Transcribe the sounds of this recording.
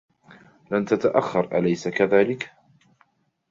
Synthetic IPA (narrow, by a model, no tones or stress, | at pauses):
lamt̪at̪aʔaxːɑɾˤʔalajsakaðaːlɪk